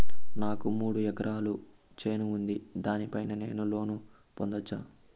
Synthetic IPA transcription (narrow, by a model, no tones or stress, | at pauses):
naːkumuːɽuɛɡɐɾaːlu | t͡ʃeːnuːnd̪id̪aːnipɐjnɐne̞ːnulo̞ːnu | pond̪ɐt͡ʃːaː